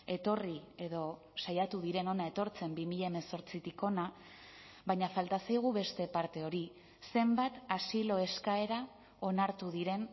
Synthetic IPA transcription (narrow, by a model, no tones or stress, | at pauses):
e̞t̪o̞rie̞ðo̞ | sajat̪uðiɾe̞no̞nae̞t̪o̞ɾt͡se̞mbimiʎaeme̞so̞ɾt͡sit̪iko̞na | βajɲafalt̪asajɣ̞uβe̞st̪e̞paɾt̪e̞o̞ɾi | se̞mbat̪asilo̞e̞skae̞ɾa | o̞naɾt̪uðiɾe̞n